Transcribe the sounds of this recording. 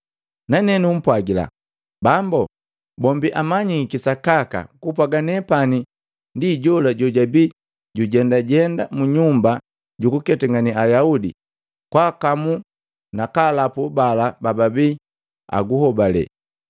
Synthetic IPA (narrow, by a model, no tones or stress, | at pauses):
nanɛnum̩pwaɡila̰ | bambɔ | bɔmbiʔamaɲikisakaka̰kup̬waɡanɛpani | ndiɟɔlaɟɔɟabi | ɟuɟɛndaɟɛndamuɲumba | ɟukukɛtɛŋɡaniajaudḭ | kwaːkamu | nakalapubalabababi | a̰ɡuhɔbalɛ̰